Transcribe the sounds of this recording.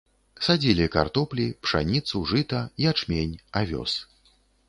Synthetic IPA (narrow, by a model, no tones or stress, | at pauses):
sad͡zʲilʲika̰rt̪ɔplʲipʂa̰nʲit̪suʐɨt̪ɐiat͡ʂmʲenʲavʲɔ̰s